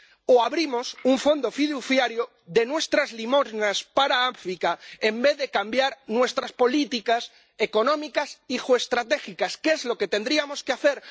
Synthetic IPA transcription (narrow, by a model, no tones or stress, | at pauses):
oaβɾimo̞suɱfo̞nd̪ofiðuθjaɾjo | ðe̞nwe̞st̪ɾazlimo̞znaspaɾaaɱfɾikaembe̞ððe̞kambjaɾnwe̞st̪ɾaspo̞lit̪ikas | eko̞nõ̞mikasiʝoest̪ɾat̪e̞xikaskeezlo̞ke̞t̪e̞nd̪ɾiamo̞skeaθe̞ɾ